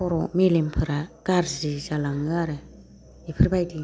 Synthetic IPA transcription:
ɔɾɔmilimpʰɯɾakaɾzizalaŋɯaɾɯ | epʰɯɾbajdi

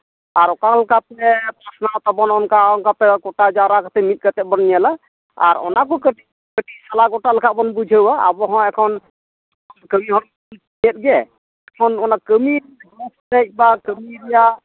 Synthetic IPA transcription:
aɾɔkalkapɛpasnat̪abɔnɔnkaɔnkapɛkɔʈad͡ʒaɾakat̪ʰɛmit̪̚ˀkat̪ɛbɔnjala | a̰ɾɔ̰nak̬ɔkəʈi | kəʈisalaɡɔʈaləkʰabɔnbud͡ʒʱəwaa̰bɔɦɔ̃ɛkʰɔn | kʰɔnkəmiɦɔnm | nɛt̪̚ɡɛ | ɛkʰɔnɔnakəmieiadɔɔsʰdɛbakəmieɾija

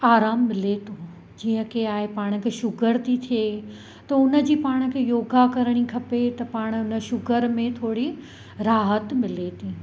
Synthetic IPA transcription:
aːɾaːmːɪlet̪ʰo | d͡ʑiːə̃kʰeaːɦepaːɽ̃kʰeːʃʊɡəɾt̪ʰit̪ʰije | t̪ɐʊnə̆d͡ʑiːpaːɽ̃ə̆kʰejoːɡakɐɾəɽ̃ikʰɐpet̪ɐpaːɽ̃ʊnə̆ʃʊɡəɾmẽt̪ʰoːɽi | ɾaːɦət̪mɪlet̪ʰi

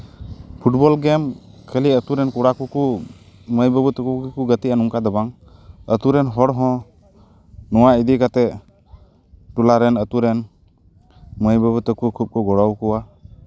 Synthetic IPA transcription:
pʰuʈ̚bɔlɡɛm | kʰəliət̪uɾɛnkuɽakuku | məjbəbut̪əkukikuɡət̪iʔanuŋkad̪əbaŋ | ət̪uɾɛnɦɔɽɦɔ̃ | nɔwaid̪ikat̪ɛ | ʈulaɾɛnət̪uɾɛn | məjbəbut̪əkukʰup̚kɔɡɔɽɔwkuwa

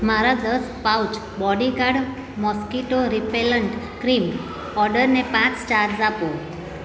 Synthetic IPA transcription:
maɾad̪əs | pawt͡ʃ | bɔɖikaɽ | mɔskiʈoɾipeləɳʈ | kɾim | ɔɾɖəɾnepãt͡ʃt͡ʃaɾd͡zapo

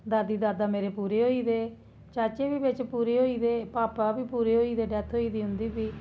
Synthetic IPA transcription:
d̪aːd̪iːd̪aːd̪aːmeːɾeːpuːɾeɦoːiːd̪eː | t͡ʃaːt͡ʃeːbiːbɪt͡ʃpuːɾeɦoːiːd̪eːpaːpabiːpuːɾeɦoːiːd̪eːɖɛːt̪ʰɦoːiːd̪iːɦʊ̃nd̪iːbiː

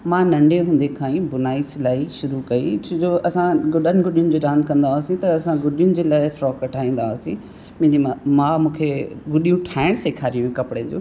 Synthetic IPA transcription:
mãnɐ̃ɳɖʱeɦũːn̆d̪ekʰãːĩbʊnaːislaːiʃʊɾukɐit͡ɕʰʊ̃d͡ʑoʔɐsãɡʊɗənɪ̆ɡʊɗijʊnɪ̆d͡ʑoːɾãːnd̪̚kɐ̃nd̪aːsĩt̪ɐːsãɡʊɗijʊnɪ̆d͡ʑeːlaːɪfɾɔːkkɐʈʰaːĩːn̆d̪aːsĩ | m̃ɪ̃d͡ʑimamãːmũːkʰeɡʊɗijũʈʰaːɪɽ̃seːkʰaːɾijũekɐpɪɽed͡ʑo̰ː

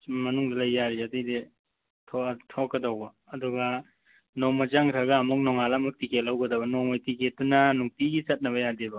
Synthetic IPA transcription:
mɐnuŋdɐlɐjːaɾiɐtijde | tʰɔtʰɔkːɐdɐwbɐːduɡɐ | nomɐd͡ʒaŋɾʰaɡɐːmuk̚nɔŋalamɐk̚tiketlːawɡɐdɐbɐnɔŋmajtiket̚dunɐnuŋpiɡisɐt̚nɐβɐjadebɐ

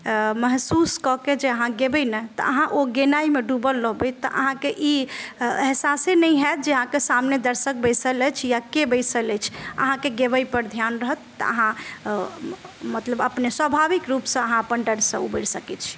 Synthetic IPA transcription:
məɦsuskɔked͡ʒeəɦãɡebəjnət̪ɔ̰əɦãʔoɡenaimeɖubəlːəɦbət̪ɔ̰ʔəɦãkeʔi | ɦesasenəjɦɛt̪̚d͡ʒeəɦãkesamned̪əɾsək̚bəjsələt͡ʃʰjakebəjsələt͡ʃʰə̰ɦãkeɡebəjpəɾd̪ʱjanɾəɦət̪ːə̰ə̰ɦã | mət̪ləbəpneswəbʱabikɾupsə̃əɦãpəɳɖəɽsə̃ṵbəɾsəkɛt͡ʃʰi̥

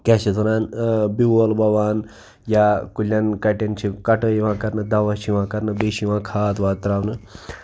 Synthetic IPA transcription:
kaɕet̪ɐnaːnbiwolbɐʋaːn | jakulʲjãnkɐʈent͡ʃʰikɐʈəjʋãkɐɾnəd̪aʋaʃiʋãkɐɾnəbeɕiʋãkʰaːt̪ʋaːt̪ɾaːʋnə

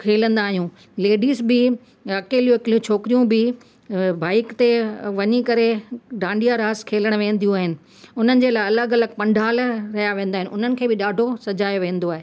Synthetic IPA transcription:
kʰeːlə̃nd̪aːɦijũ | leːɖiːzbɪ | ɐkeːlijoɪkɪlijũt͡ɕʰoːkɾijũbɪ | baːɪkt̪eʋɐɲikɐɾeɖãːɳɖijaɾaːskʰeːləɽ̃ʋẽːn̆d̪ijũaːɦɪnɪ̆ | ʊn̤ənɪ̆d͡ʑeːlaːɪɐləɡɐləɡ̚pɐ̃ɳɖʱaːlɾɐɦijaʋẽːnd̪aːɦɪ̃nɪʔʊ̰n̤ənɪ̆kʰeːbɪɗaːɖʱosɐd͡ʑaːjoʋẽːn̆d̪oaːɦeː

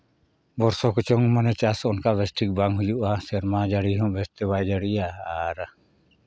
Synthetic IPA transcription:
bɔɾsɔkɔt͡ʃɔŋmanɛt͡ʃasɔnkabɛsʈʰik̚baŋɦujuʔasɛɾmad͡ʒaɽiɦɔ̃bɛst̪ɛbajd͡ʒaɽijaːɾ

